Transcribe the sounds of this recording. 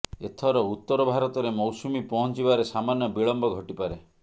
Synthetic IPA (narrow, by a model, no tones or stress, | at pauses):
et̪ʰɔɾɔut̪ːɔɾɔbʱaɾɔt̪ɔɾemɔwsumipɔɦɔnt͡ʃibaɾesamanjɔbiɭɔmbɔɡʱɔʈipaɾe